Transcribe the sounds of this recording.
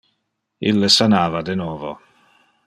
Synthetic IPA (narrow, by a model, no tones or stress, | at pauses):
ḭlːesanaːvad̪enɔːvo̰